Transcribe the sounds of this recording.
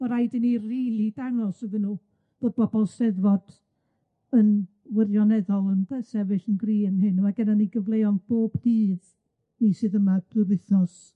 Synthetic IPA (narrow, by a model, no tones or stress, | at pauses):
ɔɾajdɪniriːlˠidanɔsəvɨnuː | b̥oːð̚b̥ɔbɔlˠstɛðvɔd̥ | ən | wɪrjɔnɛðɔlˠənbɛsɛvɨɬənɡriːənɦɨnəmaɡɛdaniɡəvlˠejɔnb̥oːbdiːð | nisɨːðəmad̥ɨvɪθɔs